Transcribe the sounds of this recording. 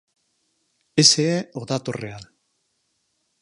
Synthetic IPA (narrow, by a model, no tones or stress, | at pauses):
eseeoðat̪orean